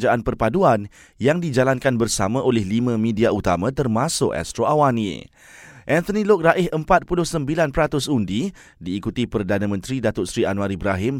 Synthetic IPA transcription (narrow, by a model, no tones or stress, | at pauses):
d͡ʒaʔanpərpaduan | jaŋdid͡ʒalankanbərsamãʔolɛhlimãmĩdiaut̪amãt̪ərmasʊkɛ̰st̪ɾoʔawanḭ | ʔɛ̃nt̪ənĩlʊk̚raʔɪhəmpat̪̚pulʊhsəmbilanpəɾat̪ʊsundi | diːkut̪ipərdanə̃mə̃nt̪ɾidat̪ʊtsɾianuaɾibɾaɦɪm